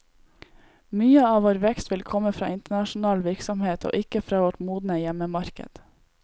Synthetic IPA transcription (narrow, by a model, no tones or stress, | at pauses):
myːəɑːʋoːɾʋɛkst̪ʋɪlkʰɔməfɾɑ̰ːʔɪnt̪əɳɑʃn̩ɑːlʋɪɾksɔmheːt̪ʰo̰ːʔɪkəfɾɑːʋoʈmuːd̪n̩əjɛməmɑɾkə̰d̪̥